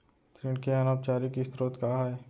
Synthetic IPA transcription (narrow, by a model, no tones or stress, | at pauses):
t̪ɾɪɖkeɐnap̚t͡ʃaːɾikist̪ɾoːt̪kaːɦɛː